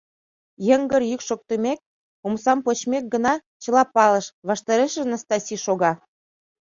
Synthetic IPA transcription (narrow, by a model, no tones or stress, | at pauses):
jəŋɡərjykʃok̚t̪əmek̚ | umsɑmpot͡ɕmek̚ɡənɑ | t͡ɕə̆lɑpɑləʃβɑʃt̪ɑɾeʃĕnə̆st̪ɑsiʃoɣɑ